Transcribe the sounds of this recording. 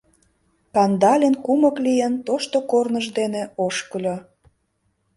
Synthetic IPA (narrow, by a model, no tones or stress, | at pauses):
kɑnd̪ɑlʲenkuməklijənt̪oʃt̪okornəʒd̪eneoʃkəlʲo